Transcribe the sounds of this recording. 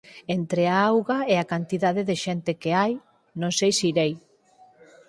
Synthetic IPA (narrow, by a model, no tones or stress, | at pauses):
ent̪ɾeaawɣaeakant̪iðaðeðeʃent̪ekeaj | nõŋsejsiɾej